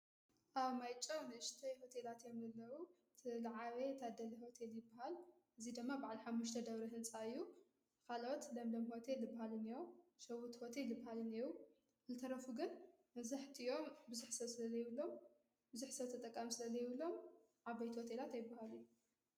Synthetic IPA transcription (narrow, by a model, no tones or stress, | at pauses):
ʔaβmajt͡ʃʼɐwnɨɨʃt̪ʰɐjho̞t̪ʰe̞lat̪jo̞mzɐlːɐwu | t̪ʰɨlaʕaβet̪ʰad̪ɐliho̞t̪ʰeljɪbːaɦalʔɨzid̪ɨmːabaʕliħamːuʃt̪ʰɐd̪ɐβɾɐɦɨnsʼaɨjːu | kʰalot̪lɐmlɐmho̞t̪ʰe̞ljɨbːahalɨnijoʃɐwut̪ho̞t̪ʰe̞ljɪbːahalɨniju | zɨt̪ʰɐɾɐfuɡɨn | ɐzɨħt̪ʰio̞mbɨzuħsɐβsɨlɐzɐjɪβɨlːo̞m | bɨzuħsɐβt̪ʰɐt̪ʼɐkʼːamisɨlɐzɐjɪβɨlːo̞m | ʕabajt̪ʰiho̞t̪ʰe̞lat̪ajɪbːahalujːu